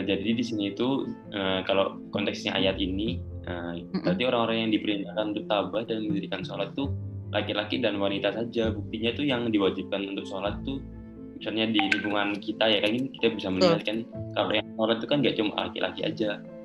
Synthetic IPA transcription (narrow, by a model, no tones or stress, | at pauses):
ad͡ʒadidisiniːt̪u | ʔəkalo | kɔnt̪ɛksɲa̰ʔa̰jat̪iniʔəat̪ioɾaŋoɾaŋjaŋdipəɾindakanunt̪ʊk̚t̪abahdalanməd͡ʒəɾikansolat̪ːulʔakilakidanwanit̪asad͡ʒabuk̚t̪iɲat̪ujaŋdiwad͡ʒip̚kanunt̪ʊk̚solat̪ːu | misalɲadilimbuŋankit̪ajakaɡinkit̪abisaməniɦat̪̚kankalo̰jaŋsolat̪̚ːukanɡaʔt͡ʃuma̰la̰kḭlʔa̰kia̰d͡ʒa